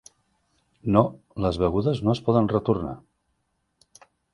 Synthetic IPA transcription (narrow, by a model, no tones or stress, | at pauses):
no | ləzβəɣuðəznoəspɔðənrət̪urna